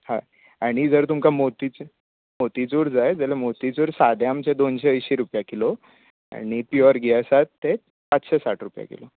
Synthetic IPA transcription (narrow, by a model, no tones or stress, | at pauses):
ha | aɽ̃id͡zəɾt̪umkamot̪it͡s | mot̪it͡suɾd͡zajd͡zəlemot̪it͡suɾsad̪ʱjamt͡ɕed̪onɕeəjɕiɾupjakilo | a̰ɽ̃ipiəɾɡiasat̪ːe | pat͡sɕesaʈʰɾupja̰kḛlo